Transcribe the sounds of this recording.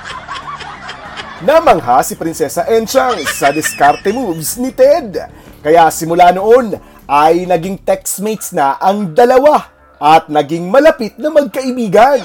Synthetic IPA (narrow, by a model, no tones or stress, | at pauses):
namɐŋɦasɪpɾɪnsɛsɐʔɛnt͡ʃaŋsːɐd̪ɛskaɾt̪ɛmubsnɪt̪ɛd̪ | kɐjasɪmʊlaːno̞ʔo̞n | ʔɐjnɐɡiŋt̪ɛksmejt̪snɐʔɐŋd̪ɐlɐwa | ʔɐt̪̚nɐɡiŋmɐlɐpit̪̚nɐŋmɐɡ̚kɐʔɪbiːɡɐn